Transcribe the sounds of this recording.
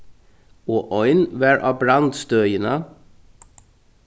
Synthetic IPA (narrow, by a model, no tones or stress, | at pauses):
oːʔɔʏnʋæːɹʔɑ̰ːbɾɑnd̪st̪œjənə